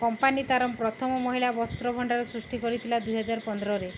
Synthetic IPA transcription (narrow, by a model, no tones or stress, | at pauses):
kɔmpanit̪aɾɔmpɾɔt̪ʰɔmɔmɔɦilabɔst̪ɾɔbʱɔɳɖaɾɔsɾusʈikɔɾit̪ʰilad̪ujɦɔd͡ʒaɾpɔnd̪ɾɔɾe